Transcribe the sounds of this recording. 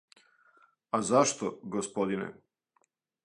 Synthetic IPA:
azaʃt̪oɡospod̪inḛ

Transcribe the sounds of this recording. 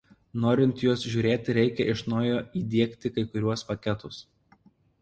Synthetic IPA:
noːɾʲɪnʲt̪juɔsʒʲuːɾʲeːt̪ʲɪɾʲɛɪkʲɛʔɪʃnoːjoːiːd̪ʲiɛkt̪ʲɪkɐɪkʊɾʲuɔspɐkʲɛt̪ʊs

